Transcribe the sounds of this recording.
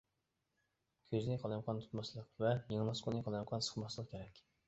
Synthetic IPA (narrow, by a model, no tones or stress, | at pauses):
kʲʰøznɪqʰɑlˠɑmqʰɑnt̪ʰu̥t̪mɑslˠəqvɛjeŋnoskonɨqʰɑlˠɑmqʰɑnsə̥χmɑslˠəq̚kʲʰeɾɛkʲ